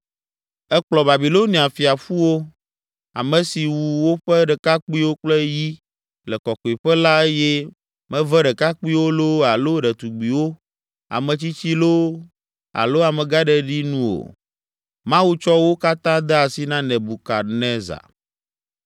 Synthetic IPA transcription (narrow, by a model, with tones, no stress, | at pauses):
ɛ˦k͡plɔ˨ba˨bi˨lo˦ni˨a˨fi˨a˨fu˦wo˦ | a̰˨mɛ̃˨si˨wu˨wo˦ɸɛ˦ɖɛ˨ka˦k͡pi˦wo˦k͡plɛ˦ji˦ | lɛ˨kɔ˨kɔ˨i˨ɸɛ˦la˦e˦jɛ˦ | mɛ̃˦vɛ˦ɖɛ˨ka˦k͡pi˦wo˦lo˦a˨lo˦ɖɛ˨t̪u˨ɡ͡bi˨wo˦ | a̰˨mɛ̃˨t͡ɕi˦t͡ɕi˦lo˦ | a̰˨lo˦a˨mɛ̃˨ɡa˦ɖɛ˦ɖi˦nũ˦o̰˨ | mã˦wu˦t͡ʃɔ˦wo˦ka˦t̪ã˦d̪ɛ˦a˨si˦nã˦nɛ̃˨bu˨ka˨nɛ̃˦za̰˨